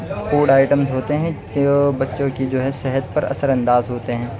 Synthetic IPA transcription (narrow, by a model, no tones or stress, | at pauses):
xuːɽaːɪʈəmzɦoːt̪eɦɛ̃ | bɐtːʃõkid͡ʒoːɦɛsɛɦət̪̚pɐɾɐ̰səɾɐ̃nd̪aːzɦoːt̪eɦɛ̃ː